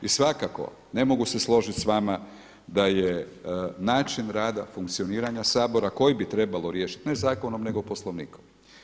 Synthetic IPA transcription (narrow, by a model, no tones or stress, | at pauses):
isʋakako̞̰ | ne̞mo̞ɡuse̞slˠo̞ʒit̪sʋama | d̪ajenaːt͡ʃinɾaːd̪afuŋkt̪sio̞niːɾaɲasaːbo̞ɾako̞jibit̪ɾe̞balo̞ɾjeːʃi̥t̪nezaːko̞nomne̞ɡo̞po̞slˠoʋnḭːkom